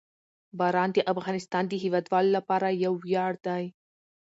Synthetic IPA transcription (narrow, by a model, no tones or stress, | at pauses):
bɑɾɑnd̪əʔafɣɑnɪst̪ɑnd̪əɦiwɑd̪wɑlolapɑɾajawːjɑɽd̪aj